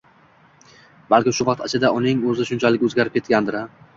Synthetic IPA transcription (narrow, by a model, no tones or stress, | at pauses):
balkʲɪmʃʊvɑq̚t̪ʰat͡ʃʰɪd̪aʔʊnɪŋɵzɪʃʊnt͡ʃʰalɪkʲɵzɡʲaɾɪpkʲʰe̞t̪̚kʲand̪ɪɾa